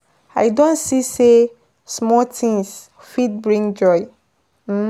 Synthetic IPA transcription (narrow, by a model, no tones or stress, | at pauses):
aɪdõnsise | smɔtʰĩŋs | fid̚bɹĩŋd͡ʒɔɪ | m̩